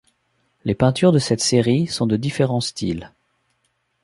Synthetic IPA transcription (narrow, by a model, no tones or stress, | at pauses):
lepɛ̃t̪yʁd̪əsɛt̪seʁisɔ̃d̪əd̪ifeʁɑ̃st̪ʰḭl